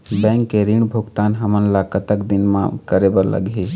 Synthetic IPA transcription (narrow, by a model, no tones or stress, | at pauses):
bɛ̃ŋkːeɾiɳbʱuɡt̪anɦəmənlakət̪əkd̪inmã̰kəɾebəɾlə̰ɡi